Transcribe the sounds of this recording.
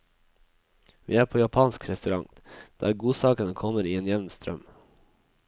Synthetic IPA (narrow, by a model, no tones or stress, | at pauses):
ʋḭːæːɾpʰoːjɑpʰɑːnskʰɾɛst̪ʉɾɑ̰ŋ | d̪̥ḛːæːɾɡuːsɑːkənəkʰɔməɾiːeːnjɛʋnst̪ɾœ̰m